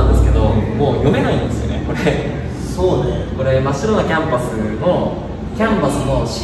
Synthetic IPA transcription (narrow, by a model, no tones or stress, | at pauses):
nd̪e̞sɨ̥ke̞d̪o̞mo̞ːjo̞me̞naĩnd̪esɨjone̞̰ko̞ɾe | so̞ːneko̞ɾe̞maɕiɾonakʲãmpasɨno̞ | kʲãmpasɨno̞ɕ